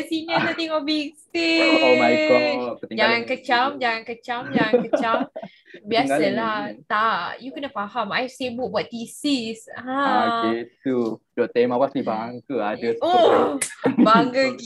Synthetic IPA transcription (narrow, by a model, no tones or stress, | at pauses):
kəsiɲə̃sat̪iŋɔbɛk̚timaɔət̪d͡ʒaŋankət͡ʃamd͡ʒaŋankət͡ʃamd͡ʒaŋakət͡ʃam | biasəlaht̪ajukənəfahamajsebʊʔ̚buat̪isisãad͡ʒet̪udɔʔt̪emawasnibaaŋkəadəo | baaŋɡək